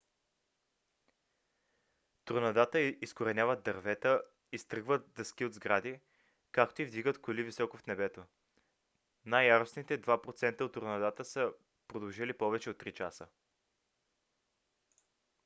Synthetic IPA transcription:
t̪ʊɾnɐd̪at̪əiskoɾɛnʲavət̪̚d̪ɐɾvɛt̪ə | ist̪ɾɤɡvət̪̚d̪ɐskʲiod̪zɡɾad̪i | kak̚t̪oivd̪iɡət̪kʊlivisɔkofnɛbɛt̪o | najːaɾosnit̪ɛd̪vapɾot̪sɛnt̪əot̪ːʊɾnɐd̪at̪əsə | pɾod̪ɐlʒilipɔvɛt͡ʃɛot̪ːɾit͡ʃasə

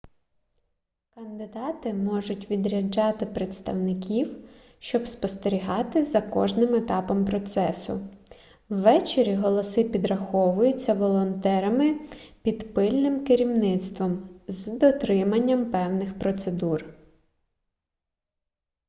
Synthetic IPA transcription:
kɐnd̪ɪd̪ɑt̪ɪmɔʒʊtʲʋʲid̪ɾʲɐd͡ʒɑt̪ɪpɾet̪st̪ɐwnɪkʲiw | ʃt͡ʃɔbspɔst̪eɾʲiɦɑt̪ɪzɐkɔʒnɪmet̪ɑpɔmpɾɔt̪sɛsʊ̰ | wʋɛt͡ʃeɾʲiɦɔlˠɔsɪpʲid̪ɾɐxɔʋʊjʊt͡sʲːɐʋɔlˠɔnt̪ɛɾɐmɪpʲid̪pɪlʲnɪmkɪɾʲiwnɪt̪st̪ʋɔmzd̪ɔt̪ɾɪmɐnʲːɐmpɛwnɪxpɾɔt̪sed̪ur

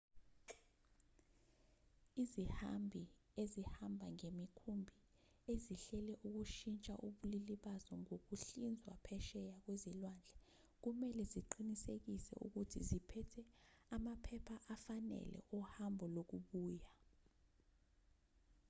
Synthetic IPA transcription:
izihambʱiezihambʱaŋemikʰumbʱi | eziɬɛlɛʔuk̬uʃint͡ʃʼaʔuɓuliliɓazɔŋok̬uɬind͡zʱwa̰pʰɛʃɛjak̬wezilwaːnd͡ɮʱɛ | k̬umɛlɛziǃinisek̬isɛ̰ʔṵk̬utʰḭzipʰɛtʰɛamapʰɛpʰaʔafanɛ̰lɛ̰ʔɔhambʱɔlok̬uɓuːja

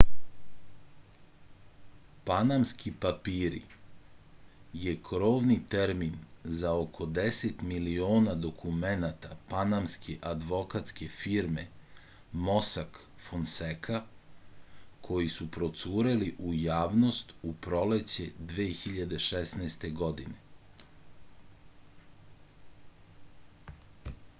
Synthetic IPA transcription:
panamskipapiːɾḭ | je̞kɾo̞ːʋnit̪eɾminzaokʰo̞d̪eset̪milio̞ːnad̪o̞kʰumenat̪apanamskʰe̞ʔad̪ʋo̞kat̪ske̞fiɾme̞ | mosak | fonsekʰa | kʰo̞jisupɾo̞t̪suːɾeliʔujaːʋno̞st̪upɾo̞let͡ɕe̞d̪ʋeːxiʎad̪e̞ʃesneːst̪e̞ɡo̞d̪ine̞

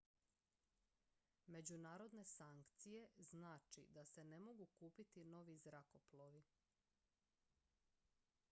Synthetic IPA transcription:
me̞d͡ʑunaːɾo̞d̪ne̞saŋkt̪sije̞znaːt͡ʃḭd̪ase̞ne̞mo̞ɡukuːpit̪ino̞ʋizɾako̞ploʋi

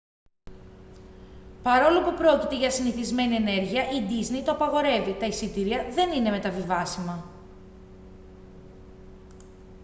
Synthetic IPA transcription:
pɐɾo̞lopupɾo̞cit̪e̞ʝɐsiniθizme̞nie̞ne̞ɾʝiɐʔid̪iznejt̪oɐpɐɣo̞ɾe̞vit̪ɐisit̪iɾiɐðe̞nine̞me̞t̪ɐvivɐsimɐ

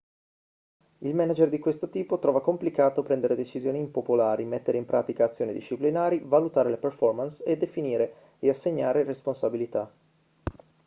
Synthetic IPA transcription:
ilmɛnad͡ʒerd̪ikwest̪ot̪iːpot̪ɾɔːvakomplikaːt̪opɾɛnd̪eɾed̪et͡ʃizjoːniːmpopolaːɾʔimet̪ːeɾeimpɾʔaːt̪ikaːt̪sːjoːnid̪iʃːiplinaːɾivalut̪aːɾeleperfɔrmansed̪efiniːɾe | easːeɲːaːɾeresponsabilit̪a

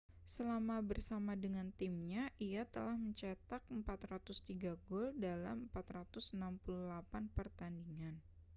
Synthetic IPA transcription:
səlamabərsamadəŋant̪ɪmɲaʔijat̪əlahməɲt͡ʃat̪ak̚əmpat̪rat̪ʊst̪iɡaɡɔldala̰məmpat̪rat̪ʊsənampuluhlapanpərt̪andiŋan

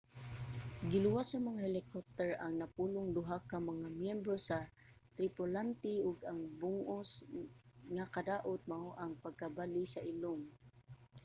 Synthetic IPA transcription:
ɡɪlʊwasɐmɐŋahɛlɪkop̚t̪ɛɹaŋnɐpuːlʊŋd̪ʊɦakamɐŋamjɛmbɾosa | t̪ɾipolant̪iʊɡaŋbʊŋʔos | ŋakad̪aːʔʊt̪̚maʔoʔaŋpaɡ̚kabalisaʔɪloŋ

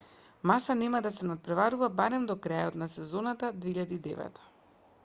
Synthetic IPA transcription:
masanɛmad̪asɛnat̪̚pɾɛvaɾuvabaɾɛmd̪ɔkɾajɔt̪nasɛzɔnat̪ad̪veiʎad̪iːd̪ɛ̰vɛ̰t̪ʰḁ

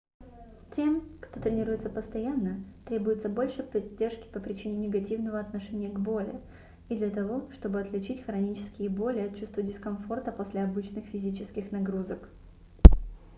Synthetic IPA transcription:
tʲe̞mkt̪ot̪ɾʲɪnʲiɾujɪt̪səpəst̪ɐjanːət̪ɾʲe̞bʊjɪt̪səbo̞lʲʂɨpɐdʲːe̞rʂkʲɪ̥pəpɾʲɪt͡ɕinʲɪnʲɪɡɐtʲivnəvəɐt̪nɐʂɛnʲɪjəɡbo̞lʲɪ | id̪lʲɐt̪ɐvo̞ʂt̪o̞bɨɐt̪lʲɪt͡ɕitʲxɾɐnʲit͡ɕɪ̥skʲɪjəbo̞lʲɪɐt̪̚t͡ɕust̪vədʲɪskɐnfo̞rt̪əpo̞sʲlʲɪɐbɨt͡ɕnɨxfʲɪzʲit͡ɕɪskʲɪxnɐɡɾuzək

